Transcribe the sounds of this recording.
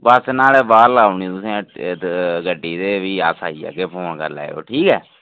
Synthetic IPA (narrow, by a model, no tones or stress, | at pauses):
bəsnaːlɛːbaːɾlaːuniːt̪ʊsẽː | ɡəɖːiːt̪eːʋiːaːsʰaːiːa̰ːɡeːpʰoːnkə̰ɾlɛ̰ːo̰ːʈʰiːkɛː